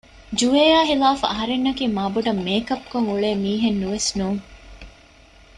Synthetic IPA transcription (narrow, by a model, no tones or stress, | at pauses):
d͡ʒueːjaːɦilaːfuɐɦɐɾenːɐkiːmaːbuɖɐmːeːkɐp̚koŋuɭeːmiːɦenːuʋesnuːŋ